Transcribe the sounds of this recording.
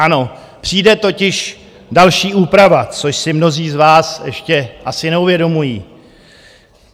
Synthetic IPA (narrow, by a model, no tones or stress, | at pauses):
ano̞ | pr̝̥iːdɛt̪o̞cɪʃ | dalʃiːʔuːpɾavat͡so̞ʃsɪmno̞ziːzvaːsjɛ̰ʃcɛʔasɪnɛuvjɛdo̞mujiː